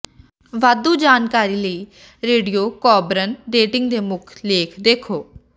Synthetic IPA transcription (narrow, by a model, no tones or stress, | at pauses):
ʋad̪uːd͡ʒaːnkaːɾiːləiː | ɾeːɖijoːkɔːbɾənɖeːʈɪŋɡd̪eːmʊkʰleːkʰd̪eːkʰoː